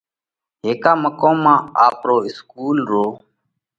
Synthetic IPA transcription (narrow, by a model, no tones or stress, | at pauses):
ɦeːkaːməkõːmãːaːpɾoːɪskuːlɾoː